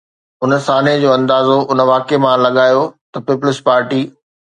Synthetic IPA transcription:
ʊnəsaːned͡ʑoːɐ̃nd̪aːzoʊnəʋaːkemãlɐɠaːjot̪ɐpiːpʊlɪspaːɾʈiː

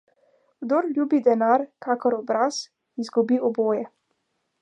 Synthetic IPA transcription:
ɡd̪oɾlʲjuːbid̪ɛnaɾkaːkɔɾɔbɾas | inzɡubiɔboːjɛ

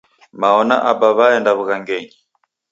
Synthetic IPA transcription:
maɔna̰ʔabaβaɛndaβuɣaŋɡɛɲi

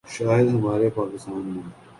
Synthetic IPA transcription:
ʃaːjed̪ɦɐmaːɾepaːkɪst̪aːnmɐn

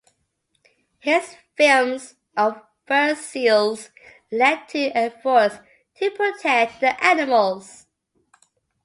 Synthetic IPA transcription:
hɪz̥fɪlmz | əv | ɜ˞ssilˠz | lɛd̚tʰɨʔəfɔɹs | tʰɨpʰɹ̥ətʰɛk̚ðiʔænɪməlˠz̥

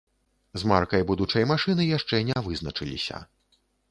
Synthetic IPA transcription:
zma̰rkɐjbud̪ut͡ʂɐjmaʂɨnɨjaʂt͡ʂɛnʲɛvɨznɐt͡ʂɨlʲḭsʲɐ̰

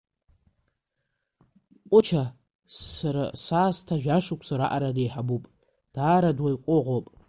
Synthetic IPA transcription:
qʷʼʊt͡ʃʰa | aɾa̰saːstʰaʒᶣaʂʷukʷʰsaɾaʔaɾadejħabupʼ | d̥aːɾadwajqʷʼʊʁʷopʼ

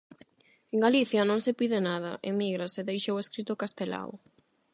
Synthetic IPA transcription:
eŋɡaliθjɐnõŋsɪpiðɪnað̞ɐʔemiɣɾaseðejʃoweskɾit̪ʊkast̪ela̰w̰

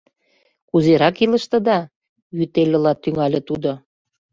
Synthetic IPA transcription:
kuzeɾɑkilə̆ʃt̪ə̆d̪ɑ | jyt̪elʲə̆lɑt̪ːyŋɑlʲĕt̪ud̪o

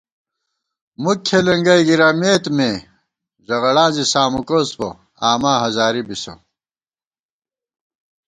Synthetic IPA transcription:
mukʰelɐŋɡɐjɡiɾameːt̪meː | zɐɣɐɭãːzisaːmukoːspo̰ | aːmaːɦɐzaːɾibiso̰

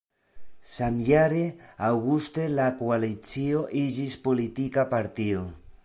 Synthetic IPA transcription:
samjaɾeawɣust̪elakualit͡sjioʔiʒispolit̪ikapaɾt̪io

